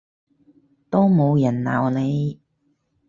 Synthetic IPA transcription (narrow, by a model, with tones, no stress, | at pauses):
t̪o˥mo˨˧wjɐ˨˩nla̰ː˨˩wne˨˧j